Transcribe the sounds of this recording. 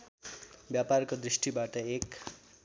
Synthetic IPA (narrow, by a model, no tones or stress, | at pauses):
bjaparkod̪ɾisʈibaʈʌek